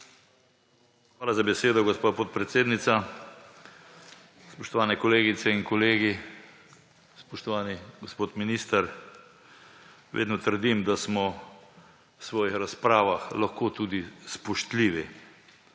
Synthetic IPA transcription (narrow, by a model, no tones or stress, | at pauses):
xʋaːlazabɛseːd̪ɔɡospapot̪̚pɾɛt̪seːd̪nit̪sa | spɔʃt̪ɔʋaːnɛkɔleːɡit̪sɛinkɔleːɡi | spɔʃt̪ɔʋaːniɡospoːt̪miniːst̪aɾ | ʋḛːd̪nɔt̪əɾd̪imd̪asmɔ | wsʋɔːjixɾaspɾaːʋaxlaxkoːt̪uːd̪ispɔʃt̪liʋi